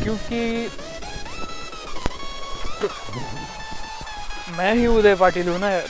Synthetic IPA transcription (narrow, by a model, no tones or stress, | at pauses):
kjõːki | mɛ̃ɦiʊd̪epaːʈiːlũna